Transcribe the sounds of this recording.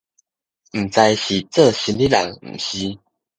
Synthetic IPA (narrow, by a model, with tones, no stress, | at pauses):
m̩˨˩t͡sa˧ɪjɕi˨˩t͡sə˥˧˨ɕi˨˧˦nli˦la̰˨˩ŋm̩̰˨˩ɕi˧˦